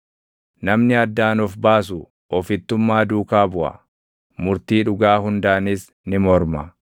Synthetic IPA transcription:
nɐmnɪɐd̪ːaːnɔfbaːs̬ʊ | ʔɔfɪt̪ːʊmːaːd̪uːkaːbʊʔɐ̰ | mʊɾt̪iːᶑʊɡaːhʊnd̪aːnɪs | nɪmɔɾmɐ

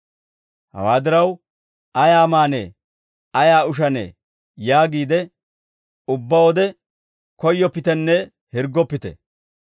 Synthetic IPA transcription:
hɐ̰waːd̪ɪɾɐw | ɐjaːmaːnḛ | ɐjaːʊʃ̬ɐnḛː | jaːɡiːd̪ɛ | ʊbːɐwɔd̪ɛ | kɔjːɔpːɪt̪ɛnːɛ | hɪɾɡːɔpːɪt̪ɛ̰

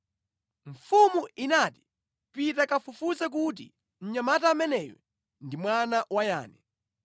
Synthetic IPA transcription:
ɱ̩fumuinati̥ | pitakafufuzɛk̬ut̬ḭ | n̩ɲamatamɛnɛːjɛ̰ | ndimwanawaja̰ːnɛ

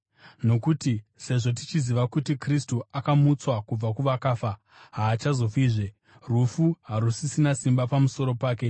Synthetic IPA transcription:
no̞kutise̞ʐo̞t̬it͡ʃiziʋakutikristuʔakamut͡swakub͡vakuʋakaːfa | ɦaːt͡ʃazo̞fiːʐe | rufuɦaɾusisinasimbapamuso̞ɾo̞paːke̞

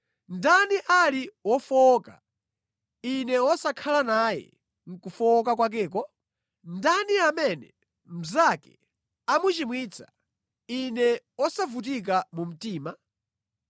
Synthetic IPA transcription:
ndaniʔaliwɔfɔka̰ | inɛwɔsakʰalanajɛ̰ | ŋ̩kufɔk̬akwak̬ɛːk̬ɔ | ndaniamɛnɛ | m̩zakɛ̥̰ | amut͡ʃimwiːt͡sʰḁ | inɛwɔsavut̬ik̬amum̩tiːma

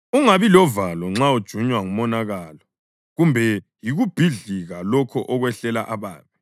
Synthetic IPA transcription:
uŋaβilɔvalɔŋ͡ǁaud̥ʒ̥ʱuɲwaŋumɔnaɣalɔ | ɣumbʱɛ | jiɣub̥ʱiɮiɣalɔkʰɔʔɔɣwɛɬɛlaʔaβa̰ːβɛ

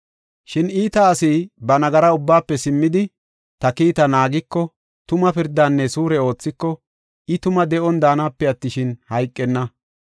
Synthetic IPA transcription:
ʃɪniːt̪ɐːsiːbɐnɐɡɐɾɐʊbːaːpːɛsɪmːɪd̪ɪ | t̪ɐkiːt̪ɐnaːɡɪkːɔ | t̪ʊmɐpɪɾd̪aːnːɛsuːɾɛo̞ːt͡sːɪkːɔ | ɪt̪ʊmɐd̪ɛʔɔnd̪aːnaːpːɛɐt̪ːɪʃɪnhɐjkʼːɛnːɐ

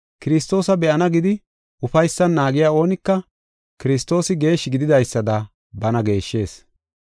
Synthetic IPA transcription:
kɪɾɪst̪o̞ːsɐbɛʔɐnɐɡɪd̪ɪ | ʔʊfɐjsːɐnːaːɡɪjaːo̞ːnɪkːɐ | kɪɾɪs̬t̪ːo̞ːsɪɡe̞ːʃɪɡɪd̪ɪd̪ɐjsːɐd̪ɐ | bɐnɐɡe̞ːʃːe̞ːs

